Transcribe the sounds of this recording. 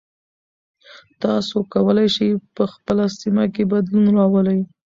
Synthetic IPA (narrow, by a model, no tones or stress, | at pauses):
t̪ɑsokawəlajʃajpəxpəlasimakebad̪lunɾɑwəlaj